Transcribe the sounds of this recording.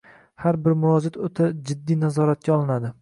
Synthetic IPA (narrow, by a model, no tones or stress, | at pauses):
haɾbɪɾmʊvɒd͡ʒat̪ʰot̪ʰad͡ʒɪd̪ːijnazɒɾat̪̚kʲaɒlˠɪnad̪ɪ